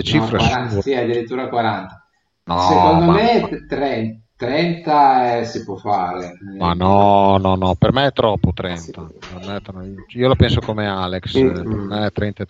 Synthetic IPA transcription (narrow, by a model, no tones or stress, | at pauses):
et͡ʃifɾessiad̪ːiɾit̪ːuːɾakwaɾant̪a | nɔsekond̪omet̪ːɾɛnt̪ːɾɛnt̪aɛsipwɔfːaːɾemanɔnɔnɔpermɛɛt̪ːɾɔpːot̪ɾɛnt̪apermɛɛt̪ːɾɔiːolapɛnsokomeaːlekspermɛɛt̪ːɾɛnt̪aɛt̪